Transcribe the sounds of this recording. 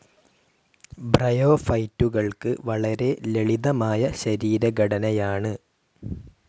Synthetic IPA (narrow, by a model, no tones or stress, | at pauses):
brɐjo̞ːfɐjtːuɣɐɭkɨʋɐɭɐɾe̞le̞ɭiðɐmaːjɐɕɐɾiːɾɐɡɐɽɐnɐjaːɳɨ